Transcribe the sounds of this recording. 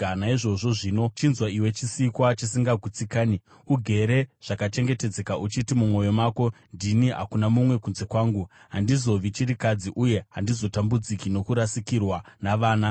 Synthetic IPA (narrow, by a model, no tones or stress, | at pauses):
anaiʐo̞ʐo̞ʐino̞t͡ʃinzwaiwe̞t͡ʃisikwat͡ʃisiŋɡaɡʱut͡sikaːni | uɡʱe̞ɾe̞ʐ̥akat͡ʃe̞ŋɡe̞te̞d͡ze̞kaʔut͡ʃitimumo̞jo̞maːko̞ndiniɦa̰kunamumwe̞kunze̞kwaːŋɡuɦandizo̞ʋit͡ʃiɾikad͡ziʔuje̞ɦandizo̞tambud͡zikino̞kuɾasikirwanaʋaːna